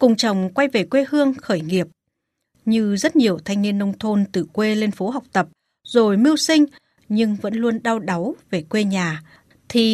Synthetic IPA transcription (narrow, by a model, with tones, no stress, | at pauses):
kʊ˨˩ŋ͡mt͡ɕə˨˩wŋ͡mkwa˧jve˨˩kwe˧hɨ˧əŋxəː˧˩jŋi˨˩əp̚ | ɲɨ˧zə˦˥t̚ɲi˨˩əwt̪ʰa˧jŋ̟ŋi˧ənːə˧wŋ͡mt̪ʰo˧nt̪ɨ˨˩kwe˧le˧nfo˨˦ɦa˨˩wk͡p̚t̪ə˨˩p̚ | zo˨˩jmi˧əwsï˧ŋ̟ | ɲɨ˧ŋvə̰˧˥nlu˧ənɗa˧wɗa˨˦wve˨˩kwe˧ɲaː˨˩ | t̪ʰi˨˩